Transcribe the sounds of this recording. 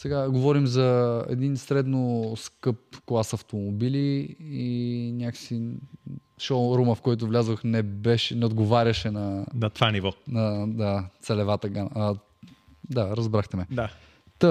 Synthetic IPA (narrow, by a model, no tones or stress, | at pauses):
sɛɡaɡovɔɾimzɐɛ̰d̪insɾɛd̪noskɤp̚klˠasɐft̪omobiliinʲaksi | ʃoɾuməfkɔjt̪̬ʊvlʲazvoxnɛbɛʃɛnɛod̪ɡovaɾʲɐʃɛnɐnɐt̪ovanivɔnɐd̪at̪sɛlɛvat̪əɡan | d̪aɾɐzbɾaxt̪ɛmɛd̪a | t̪ə